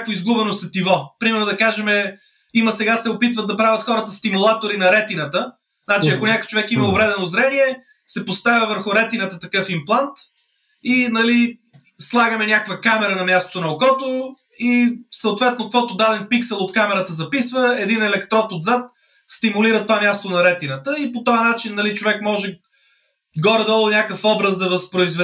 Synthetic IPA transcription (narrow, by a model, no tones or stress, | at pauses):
nʲakvoizɡubɛnosɛt̪ivɔpɾimɛɾnod̪ɐkaʒɛmɛ | iməsɛɡasɛʊpit̪vəd̪̚d̪ɐpɾavʲɐt̪xɔɾət̪əst̪imulˠat̪oɾinɐɾɛt̪inət̪ə | znat͡ʃiɐkonʲakojt͡ʃovɛkiməʊvɾɛd̪ɛnozɾɛniɛ | sɛpost̪avʲɐvəɾxʊɾɛt̪inət̪ət̪ɐkɤfimplˠant̪ | inɐli | slˠaɡəmɛnʲakkvəkamɛɾənɐmʲjast̪o̥t̪onɐokɔt̪o | isəoʊt̪vɛt̪nokkvɔt̪od̪ad̪ɛnpiksɛlˠot̪kamɛɾət̪əzɐpisvəɛd̪inɛlɛkt̪ɾɔt̪od̪zat̪ | st̪imʊliɾət̪ovamʲjast̪onɐɾɛt̪inət̪əipot̪ɔjənat͡ʃinːɐlit͡ʃovɛkmɔʒɛ | ɡɔɾɛd̪ɔlˠʊnʲakəfɔbɾəzd̪ɐvɐspɾʊizvɛ